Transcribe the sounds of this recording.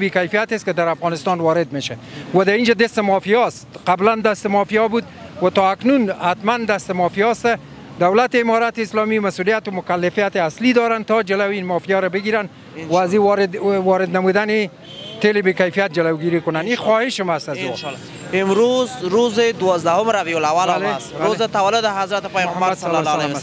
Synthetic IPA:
bekajfijat̪ɪskɪd̪aɾafɣɑnɪst̪ɑnwɒɾɪd̪meʃawad̪aind͡ʒad̪ɪst̪ɪmɔfijɔst̪qabland̪ast̪ɪmɔfijɔbud̪wat̪ɔaknunhat̪mand̪ast̪ɪmɔfijɔst̪a | d̪awlat̪ɪɪmɔɾat̪ɪɪslɔmimasulijat̪ʊmʊkalːɪfijat̪ɪaslid̪ɔɾant̪ɔd͡ʒɪlawinmɔfijɔɾabɪɡiɾan | waːziwɔɾɪd̪wɔɾɪd̪namud̪anɪ | t̪elɪbekajfijat̪̚d͡ʒɪlawɡiɾikʊnanixwɔhɪʃɪmast̪azu | ɪmɾozɾozɪd̪ʊwɔzd̪ahʊmɾavijolawalalebaɾozɪt̪awalʊd̪ɪɦazɾat̪ɪpajasalɔl

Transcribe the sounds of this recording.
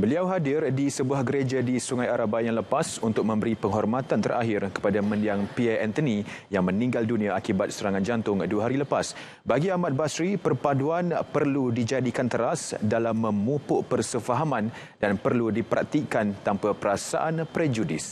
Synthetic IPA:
bəliawɦadɪrdisəbuahɡəɾed͡ʒadisuŋajaɾabajaŋləpasunt̪ʊk̚mə̃mbəɾipəŋɦɔrmat̪ant̪əɾa̰ɦɪrkə̥padamə̃ndiaŋpiɛɛnt̪ənijaŋmə̃nĩŋɡaldunĩaakibat̪̚səɾaŋãnd͡ʒant̪ʊŋduəɦaɾiləpas | baɡiamat̪̚basɾipərpaduanpərludid͡ʒadikant̪əɾasdalamːə̃mupʊʔpərsəfaɦamãn | danpərludipəɾʔa̰k̚t̪ikant̪ampapəɾasa̰ʔanpɾɛd͡ʒudɪs

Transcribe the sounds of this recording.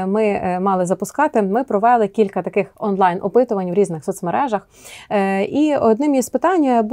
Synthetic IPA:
mɪmɑlˠɪzɐpʊskɑt̪ɪmɪpɾɔʋɛlˠɪkʲilʲkɐt̪ɐkɪxɔnlˠɑjnʔɔpɪt̪ʊʋɐnʲwɾʲiznɪxsɔt̪smeɾɛʒɐx | iɔd̪nɪmizpɪt̪ɑnʲːɐb

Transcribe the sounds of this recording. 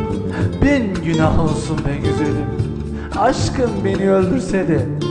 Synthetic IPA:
bɛnɟynaɦnsunbɛnɟøzød̪ym | aʃkɯnbe̞niølʲd̪yɾsɛd̪ɛ

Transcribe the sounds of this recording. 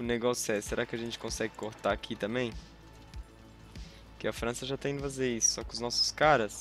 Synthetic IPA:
ʊneɡɔsʊɛseɾʔakɪɐʒẽnt͡ʃɪ̥kõsɛɡɪkoɾt̪akʰit̪ɐ̃mbẽj̃ | kɪɐfɾɐ̃sɐʒat̪ẽĩd̪ʊfazeɾisʊ̥sɔkɪʊznɔsʊ̥skaɾɐs

